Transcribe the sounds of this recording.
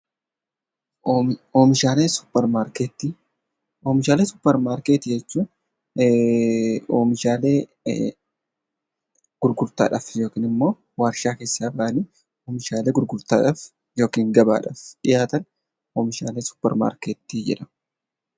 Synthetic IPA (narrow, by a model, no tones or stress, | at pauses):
oːmɪʃaːleːsʊ̥pːɛɾmaːɾket̪ːi | oːmɪʃaːleːsʊ̥pːɛɾmaːɾkeːt̪ɪd͡ʒɛt͡ʃːuː | oːmɪʃaːle̞ː | ɡ̥ʊɾɡʊɾt̪a̰ːᶑɐfjo̞ːkiːnɪmːo̞ː | waːɾʃaːke̞ːsːaːbɐʔɐniː | oːmɪʃaːle̞ːɡʊɾɡʊɾt̪aːᶑɐf | joːkiːŋɡɐba̰ːᶑɐfᶑɪjaːt̪ɐn | oːmɪʃaːle̞ːsʊ̥pːɛ̰ɾma̰ːɾkeːt̪ːid͡ʒɪ̰ᶑɐ̥